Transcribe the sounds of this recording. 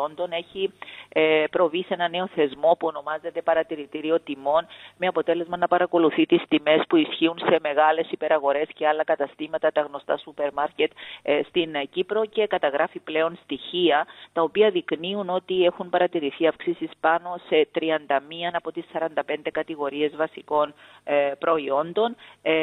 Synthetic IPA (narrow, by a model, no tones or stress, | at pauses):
ond̪o̞ne̞çi | pɾo̞vise̞nɐne̞o̞θe̞zmo̞puo̞no̞mɐze̞t̪e̞pɐɾɐt̪iɾit̪iɾio̞t̪imo̞nme̞ɐpo̞t̪e̞le̞zmɐnɐpɐɾɐko̞luθit̪ist̪ime̞spuisçiunse̞me̞ɣɐle̞sipe̞ɾɐɣo̞ɾe̞sce̞ɐlːɐkɐt̪ɐst̪imɐt̪ɐt̪ɐɣno̞st̪ɐ̰supe̞ɾmɐɾce̞t̪st̪incipɾo̞ce̞kɐt̪ɐɣɾʔɐfiple̞o̞nst̪içiɐt̪ɐo̞piɐðikniuno̞t̪ie̞xunpɐɾɐt̪iɾiθiɐfksisispɐno̞se̞t̪ɾiɐnd̪ɐmiɐnɐpo̞t̪isːɐɾɐnd̪ɐpe̞nd̪e̞kɐt̪iɣo̞ɾie̞zvɐsiko̞n | pɾo̞io̞nd̪o̞n